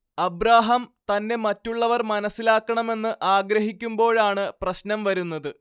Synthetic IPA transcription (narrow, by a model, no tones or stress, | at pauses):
ɐbɾaːɦɐmt̪ɐnːe̞mɐtːuɭːɐʋɐrmɐnɐsːilaːkːɐɳɐme̞nːɨʔaːɡɾɐɦikʲːumbo̞ːɭaːɳɨprɐɕnɐmʋɐɾunːɐðɨ